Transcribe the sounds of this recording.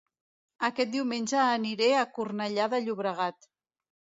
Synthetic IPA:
əkɛt̪̚d̪iwmenʲʒəːniɾeakurnəʎaðəʎuβɾəɣ̞at̪

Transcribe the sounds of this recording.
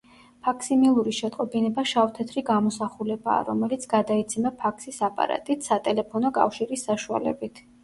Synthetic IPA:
pʰakʰsimilˠuɾiʃɛt̪ʼqʼɔbinɛbaʃaft̪ʰɛt̪ʰɾiɡamɔsaχulɛba̰ːɾɔmɛlit̪sʰɡad̪ait̪sʰimapʰakʰsisapʼa̰ɾa̰t̪ʼit̪ʰsat̪ʼɛlɛpʰɔnɔkʼa̰fʃiɾisːaʃua̰lɛ̰bit̪ʰ

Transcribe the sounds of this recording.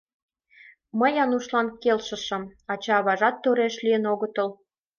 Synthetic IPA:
məjɑnuʃlɑnkelʃə̆ʃə̆mɑt͡ɕɑːβɑʒɑt̪ːoɾeʃliənoɣət̪əl

